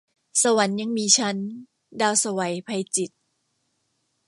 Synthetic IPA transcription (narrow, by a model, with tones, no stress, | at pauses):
sa˧wa˩˦nɲa˧ŋmiː˧t͡ɕʰa˦˥n | daː˧wsa˧wa˩˦jpʰa˧jt͡ɕi˨˩t̪̚